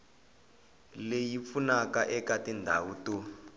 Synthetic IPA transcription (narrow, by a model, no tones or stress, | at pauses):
lejip̪funakaʔɛkatindʱawuːtu